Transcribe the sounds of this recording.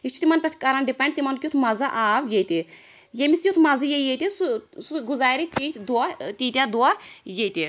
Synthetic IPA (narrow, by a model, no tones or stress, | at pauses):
it͡ʃʰut̪imɐnpɐt̪ʰʲkɐɾanɖipɐɳɖ̚t̪imɐnkʲut̪ʰmɐzɐʔaːʋjejt̪i | jemisjut̪ʰmɐzijejet̪isusuɡuzaːɾit̪it̪ʰʲd̪uat̪iːt̪ʲjad̪uajejt̪i